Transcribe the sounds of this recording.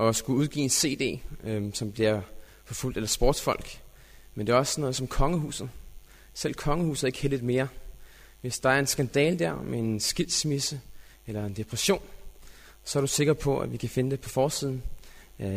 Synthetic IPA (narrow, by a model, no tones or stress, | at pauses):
ʔɒ̽sɡ̥uuð̞ˠɡ̥ḭːense̝̰ːd̥e̝̰ːsɒ̽mb̥liɐ | fɒ̽ful̰d̥elɐsb̥o̰ːd̥sfɒ̽l̰ɡ̥ | mend̥e̝ɒ̽snɔ̽ːð̞ˠsɒ̽mkʰɒ̽ŋəhṵːsð̩ˠ | sel̰kʰɒ̽ŋəhṵːsð̩ˠe̝ɡ̥heldið̥ˠme̝ːɐ | ʋe̝sd̥ɑ̈æɐe̝nsɡ̥ænd̥ɛ̰ːləd̥æɐ̰mʔee̝nnsɡ̥il̰̥smisə | elɐe̝nd̥e̝pʰʁɛɕo̝̰ːn | sɒ̽æɐɾuse̝ɡ̥ɐpʰɒ̽æ̰ʋikʰæfe̝nəd̥e̝pʰɒ̽fɒːsiðˠn̩